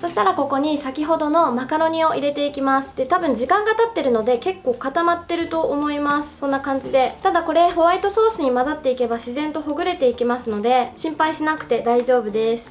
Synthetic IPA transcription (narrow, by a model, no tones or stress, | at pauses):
so̞ɕi̥t̪aɾako̞ko̞ɲ̟isakʲiɦo̞d̪o̞no̞makaɾo̞ɲ̟io̞ʔiɾe̞t̪e̞ikʲimasɨ̥d̪̥e̞t̪abɯ̟̃ɲ̟d͡ʑikãŋɡat̪at̪ːe̞ɾɯ̟no̞d̪e̞ke̞kːo̞ːkat̪amat̪ːe̞ɾɯ̟t̪o̞ːmo̞imasɨ̥sõ̞nːakãɲ̟d͡ʑid̪e̞t̪ad̪ako̞ɾe̞ɦo̞βait̪o̞so̞ːsɨɲ̟imazat̪ːe̞ike̞baɕizẽ̞nt̪o̞ɦo̞ɡɯ̟ɾe̞t̪e̞ikʲimasɨno̞d̪e̞ɕĩmpaiɕinakɯ̟̥t̪e̞d̪aiʑo̞ːbɯ̟d̪e̞sɨ̥